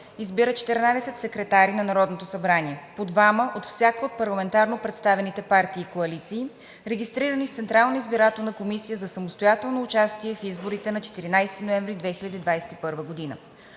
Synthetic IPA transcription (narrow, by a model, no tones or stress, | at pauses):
izbiɾət͡ʃɛ̥t̪ɛɾnad̪ɛsɛt̪sɛkɾɛt̪aɾinɐnɐɾɔd̪not̪osɐbɾaniɛpod̪vaməʔot̪fsʲjakəot̪̚pɐɾlˠɐmɛnt̪aɾnopɾɛt̪st̪avɛnit̪ɛpaɾt̪iːkoɐlit̪siː | ɾɛɡʲist̪ɾiɾənift̪sɛnt̪ɾalˠnəizbiɾat̪onɐkomisijəzɐsɐmost̪ojat̪ɛlˠnoːt͡ʃast̪iɛfizboɾit̪ɛnɐt͡ʃɛ̥t̪iɾinajst̪inoɛ̃ɱvɾid̪vɛxilʲəd̪iːd̪vajsɛ̥t̪ipɤɾvəɡod̪inə̰